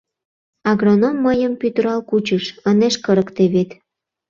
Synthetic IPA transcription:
ɑɣronomːəjəmpyt̪əɾɑlkut͡ɕəʃəneʃkəɾə̆kt̪eβet̪

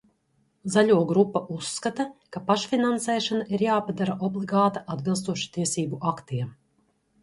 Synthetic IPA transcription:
zaʎʲuɔɡɾupːaʔusːkat̪akapaʃfʲinansɛːʃanaʔiɾjaːpad̪aɾaʔɔblˠiɡaːt̪aʔad̪bilˠst̪uɔʃu̥t̪iɛsiːbuʔakt̪iɛm

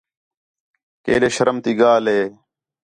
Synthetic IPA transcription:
kḛːɗeːʃəɾəmt̪iːɡaːlɦeː

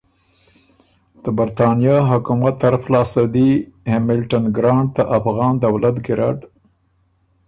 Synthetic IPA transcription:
d̪̥əbaɾt̪ɑnijɑɦʊkumat̪ːaɾaflɑst̪ad̪ihemɪlʈanɡɾɑɳɖ̚d̪aʔafɣɑnd̪awlat̪ɡɪɾɑ̰ɖ

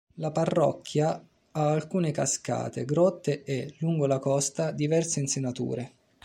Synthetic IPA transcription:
laparːɔ̰kʰːja | aːlkuːnekaska̰ːt̪ḛɡɾɔt̪ːeʔeluŋɡolakɔst̪ad̪ivɛrseinsenat̪ṵːɾe

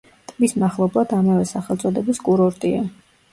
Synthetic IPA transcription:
t̪ʼbismaχlˠɔblˠad̪amavɛsaχɛlt̪sʼɔd̪ɛbiskʼuɾɔɾt̪ʼia

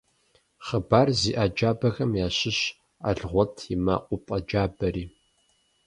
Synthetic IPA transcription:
χəbaːrziːʔaːd͡ʒaːbɐxɐmjaːɕɪɕ | a̰ɮʁʷɔtʰjɪma̰qʷʼʊpʼɐd͡ʒaːbɐɾiː

